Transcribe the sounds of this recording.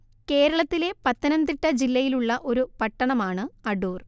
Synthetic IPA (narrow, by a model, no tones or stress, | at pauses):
ke̞ːɾɐɭɐt̪ːile̞pɐt̪ːɐnɐnd̪riʈːɐd͡ʑilːɐjiluɭːɐʔo̞ɾupɐʈːɐɳɐmaːɳɨɐɖuːr